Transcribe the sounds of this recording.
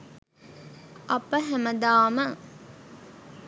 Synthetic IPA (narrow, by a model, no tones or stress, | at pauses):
ɐpəɦæməd̪aːmə